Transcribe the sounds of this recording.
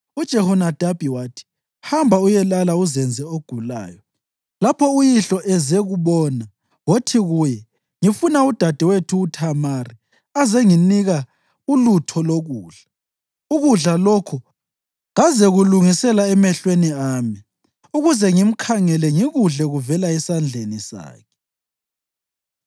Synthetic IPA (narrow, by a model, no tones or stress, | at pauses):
ud̥ʒ̥ʱɛhɔnad̥ʱab̥ʱiwaːtʰi̥ | hambʱaujɛlalauzɛnd͡zʱɛoɡ̥ʱula̰ːjɔ | lapʰɔujiɬɔʔɛzeɣuβɔːna | wotʰiɣujɛ | ŋifunaud̥ʱad̥ʱɛwetʰuːtʰamari | azɛŋiniɣa | ulutʰɔloɣuːɮ̥a | uɣuɮalokʰu | ɣazɛɣuluŋisɛlaɛmɛɬweniaːmi | uɣuzɛŋim̩kʰaŋɛlɛŋiɣuɮɛɣuvɛlaɛsand͡ɮʱenisa̰ːkʰɛ̥